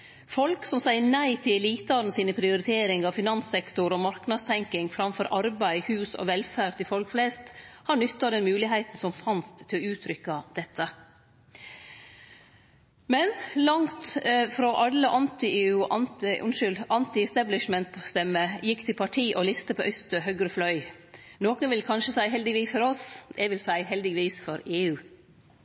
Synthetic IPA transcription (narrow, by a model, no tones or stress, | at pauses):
fɔlksɔmsæɪəɳæɪt̪ʰɪlɛliːt̪ɑɾn̩siːnəpʰɾɪʊɾɪt̪ʰeːɾɪŋɑʋfɪnɑnsɛkt̪ʊɾɔmɑɾknɑd̪st̪ʰɛŋkɪŋfɾɑmfɔɾʔɑɾbæɪhʉːsɔ̰ʋɛlfæːɾt̪ɪlfɔlkflɛɪst̪hɑɳʏt̪ːɑd̪ɛnmʉːlɪɦæɪt̪n̩sɔmfɑnst̪ʰːɪlɔʉːt̪ʰɾʏkːɑd̪̥ɛt̪ʰːə | mɛnlɑŋt̪fɾoʔɑlːəʔɑnt̪ɪeːʉːʔɑnʉ̰nʃʏlʔɑnt̪ɪɛst̪æblɪʃmɛnt̪pʰːst̪ɛmːəjɪkt̪ʰɪlpʰɑʈʰiːʔolɪst̪əpʰoːʔœst̪əhœɡɾəflœʏ | noːkənʋɪlkʰɑnʃəsæɪɦɛld̪ɪʋiːsfɔɾɔsɛʋɪlsæɪɦɛld̪ɪɡəʋiːsfɔɾeːʉː